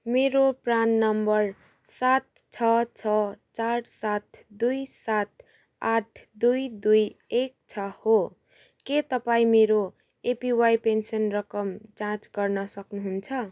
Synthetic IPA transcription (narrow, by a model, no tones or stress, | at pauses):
meɾopranːʌmbʌr | sat̪̚ | t͡sʰʌt͡sʰʌt͡sarsat̪̚ʰd̪ujsat̪̚ʰ | aʈʰd̪ujd̪ujek̚t͡sʰʌho | ket̪ʌpaĩmeɾo | epiwajpensʌnrʌkʌmt͡sãt͡sɡʌrnʌsʌknuɦunt͡sʰʌ